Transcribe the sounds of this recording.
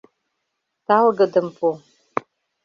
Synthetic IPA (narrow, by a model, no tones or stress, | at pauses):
t̪alɡədɨmpʰu